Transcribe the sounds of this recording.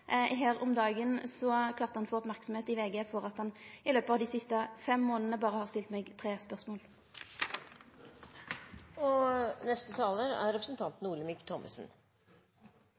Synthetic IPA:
ɦeːʁɔmd̪ɑːɡənsɔkʰlɑːʁt̪əhɑnfoːɔpmæʁksɔm̩eːt̪ɪʋeːɡeːfɔɾɑt̪hɑnɪløːpɑːʋd̪iːsɪst̪əfɛmːoːnənəbɑːʁəhɑːʁst̪ɪlt̪meːɡt̪ʰʁeːspœʁsmoːl | ɔnɛst̪ət̪ʰɑːləɾæ̰ɾɾɛpɾəsnt̪ʰɑnt̪n̩uːɭəmɪkt̪ʰɔmʔə̰sn̩

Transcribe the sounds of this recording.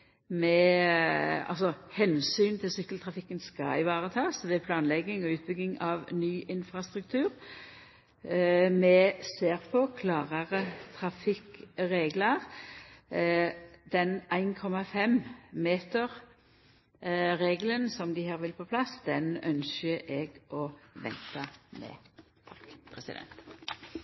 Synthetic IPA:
mɛ | ɑ̰lsɔhɛnsyːnt̪ʰɪlsʏkːəlt̪ʰʁɑfɪkːənskɑ̰ɪʋɑːʁət̪ʰɑːsʋɛpʰlɑːnlɛɡːɪŋɔʉːt̪̚bʏɡ̪ɪŋɑʋnyːʔɪnfʁɑst̪ʁʉk̚t̪ʰʉːʁ | mɛseːʁpʰɔkʰlɑːʁəʁət̪ʰʁɑfɪkʁeːɡlɑʁ | d̪̥ɛnæɪnkʰɔmɑfɛmmeːt̪əʁ | ʁeːɡlənsɔmd̪ɪhæːʁʋɪlpʰɔpʰlɑsd̪ɛnœnsəʔɛɡɔʋɛ̰nt̪ɑmɛ̰ | t̪ʰɑkpʰʁɛsɪd̪ɛ̰nt̪

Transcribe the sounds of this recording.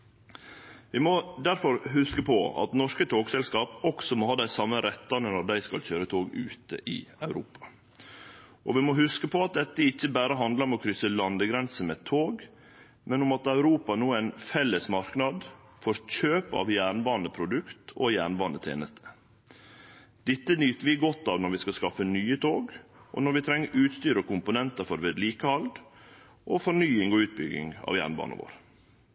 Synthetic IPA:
ʋɪmɔd̪æɾfɔɾhʉskəpʰɔ̰ɑ̰t̪nɔʂkət̪ʰoːɡsɛlskɑːpɔksɔmoːhɑːd̪æɪsɑmːəɾɛt̪ːɑnənɔɾd̪æɪskɑ̰lçøːɾət̪ʰoːɡʉ̰ːt̪ə̰ʔɪ̰ɑʉɾṵːpɑ̥ | ʔɔʋɪmɔɦʉskəpʰɔɑt̪̚d̪ɛt̪ːəɪçːəbæːɾəɦɑnd̪lɑɔmɔkʰɾʏsəlɑnd̪əɡɾɛnsəmɛt̪ʰoːɡ | mɛnʊmɑt̪ɑʉɾuːpɑnuːæɪnfɛlːəsmɑɾknɑd̪ | fɔɾc͡çøːpɑ̰ʋjæːɾɳbɑːnəpʰɾʊd̪ʉkt̪ʰɔjæːɳbɑːnət̪ʰḛːnəst̪ʰə̥ | d̪̥ɪt̪ːənyːt̪əʋɪɡɔt̪ːɑʋnɔɾʋɪskɑskɑfːənyːət̪ʰoːɡʔɔ̰nɔɾʋɪt̪ʰɾɛŋːəʔʉːt̪st̪yːɾəkʰʊmpʊnɛnt̪əfɔɾʋeːd̪liːkəɑld̪ | ʔɔfɔɳyːɪŋɔʉːt̪̚bʏɡːɪ̰ŋɑ̰ːʋjæ̰ːɳbɑ̰ːnə̰ʋo̰ːɾ

